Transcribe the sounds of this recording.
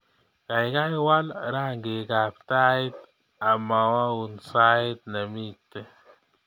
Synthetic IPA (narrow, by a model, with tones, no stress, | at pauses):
ka˨jka˦wa˦lɾa˦ŋɡe˨ka˨p̚t̪a˦i˦t̪ | a˨ma˨wa˦u˨nsa˦ɪ˦t̪̚na˨mi˦tːɛ˦